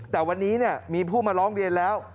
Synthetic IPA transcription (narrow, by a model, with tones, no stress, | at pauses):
t̪ɛː˨˩wa˧nːiː˦˥ni˥˩ɐmiː˧pʰuː˥˩maː˧ɾɔː˦˥ŋɾi˧ənlɛː˦˥w